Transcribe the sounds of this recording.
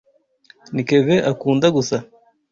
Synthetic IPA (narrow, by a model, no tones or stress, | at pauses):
nikeβeʔakuːndaɡusa